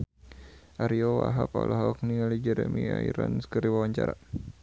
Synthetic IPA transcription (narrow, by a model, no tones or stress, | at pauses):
ʔaɾiɔwaɦapalɔɦaɔk̚niŋalid͡ʒəɾəmiaiɾanskəɾiwawaɲt͡ʃaɾa